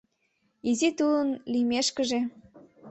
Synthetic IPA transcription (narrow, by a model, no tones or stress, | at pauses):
izit̪ulənlimeʃkə̆ʒe